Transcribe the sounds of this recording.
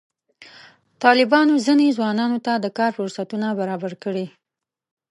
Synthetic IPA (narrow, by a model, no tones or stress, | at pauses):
t̪ɑlɪbɑnozinezwɑnɑnot̪ad̪əkɑɾfʊɾsat̪unabaɾɑbaɾkəɽi